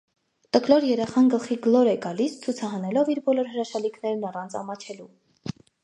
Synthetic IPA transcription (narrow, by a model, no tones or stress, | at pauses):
t̪əklɔɾjɛɾɛχɑnɡəlχiɡlɔɾɛɡɑlist͡sʰut͡sʰɑɦɑnɛlɔviɾbɔlɔɾɦəɾɑʃɑlikʰnɛɾnɑrɑnt͡sʰɑ̰mɑt͡ʃʰɛlu